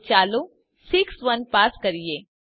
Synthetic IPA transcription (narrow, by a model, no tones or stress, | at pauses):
t͡ʃaːlu | sɪksʋɐnpaːskɐɾieː